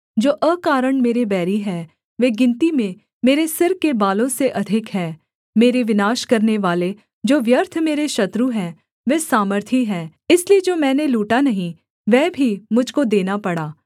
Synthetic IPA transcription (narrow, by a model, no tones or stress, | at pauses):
d͡ʒoːʔəkaːɾəɳmeːɾebɛːɾiɦɛː | ʋeːɡɪ̃nt̪imẽ | meːɾesɪɾkebaːlõseʔɐd̪ʱɪkɦɛː | meːɾeʋɪnaːʃkɐɾneʋaːle | d͡ʒoːʋjəɾt̪ʰmeːɾeʃɐt̪ɾuɦɛ̃ː | ʋeːsaːməɾt̪ʰiɦɛːɪslied͡ʒoːmɛ̃ːneluːʈanɐɦĩ | ʋɛːbʱimʊd͡ʒʱkod̪eːnapɐɽaː